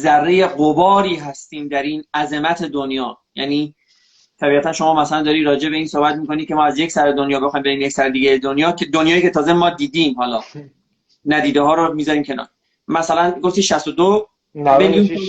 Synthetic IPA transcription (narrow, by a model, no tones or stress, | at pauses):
zærːejeɢobɒːɾiːɦæst̪iːmd̪æɾiːnæze̞mæt̪ʰe̞d̪onjɒː | jæ̰niː | t̪ʰæbiːʁæt̪ʰænʃo̞mɒːmæsælænd̪ɒːɾiːɾɒːd͡ʒe̞be̞iːnso̞hbæt̪miːko̞niːcʰe̞mɒːæzje̞csæɾed̪onjɒːbexɒːjimbe̞ɾiːmjecsæɾed̪iːɡæjed̪onjɒːkʰed̪onjɒːjiːkʰe̞t̪ʰɒːze̞mɒːd̪iːd̪iːmhɒːlɒː | næd̪iːd̪eɦɒːɾomiːzɒːɾiːmcʰe̞nɒ̰ːɾ | mæsælænɡo̞ft̪iːʃæst̪od̪o | beɡi